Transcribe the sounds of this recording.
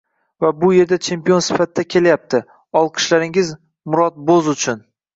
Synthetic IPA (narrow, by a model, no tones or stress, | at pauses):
vabʊje̞ɾd̪at͡ʃʰe̞mpijo̞nsɪ̥fat̪ɪd̪akʲʰe̞lajap̚t̪ʰɪ | ɒlˠqʰɨ̥ʃlaɾɪŋɪz | mʊɾɒt̪̚bozʊt͡ʃʰʊn